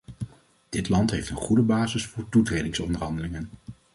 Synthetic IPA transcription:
d̥ɪtlɑntɦejftənχudəbaːzɪsfʊːɹtutrejdɪŋsɔndəɹɦɑndəlɪŋən

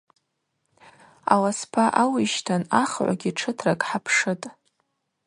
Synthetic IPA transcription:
a̰laspʰaʔawiʃtʰanaχʕʷa̰ɡʲiʈ͡ʂʰɨtʰrakʼħapʰʂɨtʼ

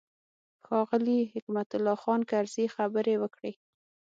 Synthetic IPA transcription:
xɑɣəliɦɪkmat̪ʊlːɑxɑnkaɾz̥ixabəɾewəkɽe

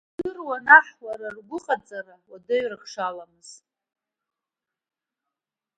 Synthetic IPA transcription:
dɨrwanaħwaɾarɡʷʊχʼat͡sʼarawadɨɥrɨχʂalamɨz̥t

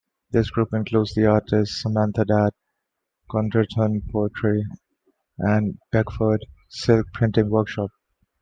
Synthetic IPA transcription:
d̪ɪsɡ̥ɾuːpɪ̃nkluːdzd̪iaːɾʈɪstsəmæ̃nt̪ʰədæt̚ | kɔ̃ntəʈʰə̃npʰɔːəʈʰɾi | ʔæ̃nb̥ɛkfəɖsɪlk̚pʰɾɪ̃nʈɪ̃ŋʋəɾkʃɔːp̚

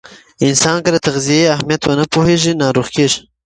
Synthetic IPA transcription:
ɪnsɑnkad̪ət̪aɣzijeahmijat̪wənəpoheʒinɑɾoxkeʒ

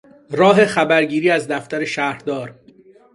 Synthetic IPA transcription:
ɾɒːɦe̞xæbæɾɟiːɾiːæzd̪æft̪æɾe̞ʃæːhɾd̪ɒːɾ

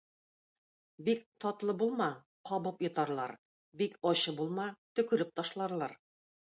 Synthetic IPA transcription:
bikt̪ɒt̪lˠɤbulˠmɑ | qɒβɤpjɤ̆t̪ɑɾlˠɑ̰ɾ | bikɒɕɤbulˠmɑt̪ɵ̆kɵ̆ɾɘp̚t̪ɒʃlˠɑɾlˠɑɾ

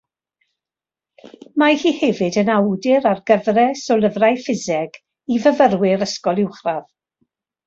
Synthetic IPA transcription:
mahiːhɛvɨdənawdɪɾarɡəvrɛsɔlˠəvrajfɪzɛɡ̥ | ivəvərwɪɾəskɔlˠɪwχrað

